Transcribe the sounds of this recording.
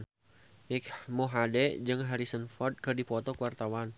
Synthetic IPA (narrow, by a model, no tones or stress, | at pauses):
mɪkmuɦadɛd͡ʒɨŋɦaɾisənfɔrd̪̚kərdipɔt̪ɔkəwart̪awan